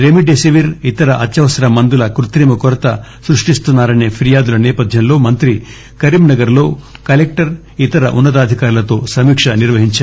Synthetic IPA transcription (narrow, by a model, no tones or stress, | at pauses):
ɾemiɖesiʋiɾit̪ɐɾɐʔɐt̪jɐʋɐsɐɾɐmɐnd̪ulɐkɾut̪ɾiːmɐkɔɾɐt̪ɐsɾuʂʈist̪unːaːɾɐneːpʰiɾijaːd̪ulɐnɛːpɐd̪ʱjɐmlo̞ːmɐnt̪ɾi | kɐɾiːmnɐɡɐɾlo̞ːkɐlek̚ʈɐɾ | it̪ɐɾɐ̰ʔunːɐt̪ɐːd̪ʱikaːɾulɐt̪o̞ːsɐmiːkʂɐniɾʋɐɦiɲt͡ʃa